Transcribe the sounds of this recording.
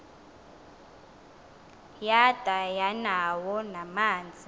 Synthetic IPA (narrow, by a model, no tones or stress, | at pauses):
jad̥ʼʱajanawɔnamaːnd͡zʱi